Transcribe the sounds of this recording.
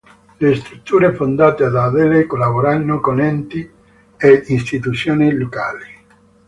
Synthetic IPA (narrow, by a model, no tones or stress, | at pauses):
lest̪ɾut̪ːuːɾefond̪aːt̪ead̪aðɛlekolaβoɾanːʊkonɛnt̪i | einst̪it̪ut̪sjoːnilokaːli